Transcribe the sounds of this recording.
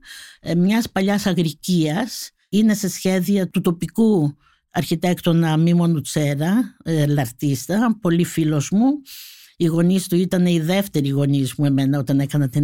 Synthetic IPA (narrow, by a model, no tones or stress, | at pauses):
mɲɐspɐʎɐsɐɣɾiciɐs | ine̞se̞sçe̞ðiɐt̪ut̪o̞piku | ɐɾçit̪ekt̪o̞nɐmimo̞nut͡se̞ɾɐlɐɾt̪ist̪ɐpo̞lifilo̞zmu | iɣo̞nist̪uit̪ɐne̞iðe̞ft̪e̞ɾiɣo̞nizmue̞me̞nɐo̞t̪ɐnekɐnɐt̪e